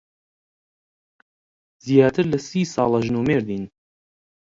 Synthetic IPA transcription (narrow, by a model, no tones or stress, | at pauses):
zjaːt̪ʰɨɾlɐsiːsɑ̰ːlˠɑʒnuːmeːɾd̪iːn